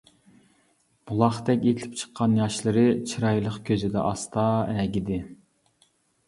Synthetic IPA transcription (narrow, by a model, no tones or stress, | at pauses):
b̥ulˠɑχt̪ɛkʲelʰɪ̥p̚t͡ʃʰə̥qʰːɑnjɑʃlˠɨɾɨt͡ʃʰiɾɑjlˠəqkʲʰøzɪd̪ɛ̰ʔɑst̪ɑːɛɡʲid̪ɪ